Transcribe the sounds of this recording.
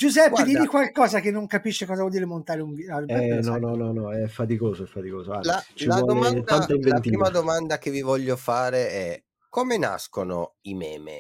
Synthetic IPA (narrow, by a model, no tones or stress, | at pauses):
d͡ʒuzɛpːd̪iːmikwalkɔːzakenːoŋkapiʃːekɔːzavwɔld̪iɾemont̪aːɾeunvialɛɛnɔnɔnɔnɔɛfːat̪ikoːzoɛfːat̪ikoːzoalat͡ʃilaɔd̪omat̪d̪anaimvent̪iːmad̪omand̪ak̟evivɔʎːofaːɾeɛ | komena̰skono̰imɛ̰ːmḛ